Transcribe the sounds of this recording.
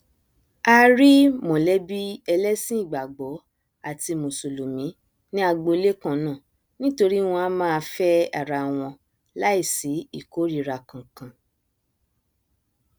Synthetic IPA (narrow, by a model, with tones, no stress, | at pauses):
a˧ɾi˦mɔ̃˨lɛ˦bi˦ɛ˧lɛ˦sĩ˦i˦˨ɡ͡ba˨ɡ͡bɔ˨˦ | a˦˨ti˧mo˨so˨lo˨mĩ˨˦ | nĩ˦a˧ɡ͡bo˧˦le˦kã˧nã˦˨ | nĩ˦to˧ɾi˦w̃ɔ̃˧a˦mãː˦˧fɛ˦a̰˨ɾa˧w̃ɔ̃˧ | la˦i˦˨si˨˦i˦˨ko˨˦ɾi˦˧ɾa˨˧kã˨kã˨